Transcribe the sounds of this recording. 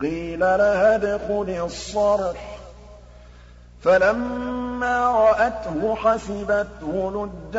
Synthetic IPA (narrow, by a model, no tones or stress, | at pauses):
qiːlalahadʊxʊlɪsˤːɑɾħ | falamːaːɾˤɑʔat̪hʊħasɪbat̪hʊlʊd̪ː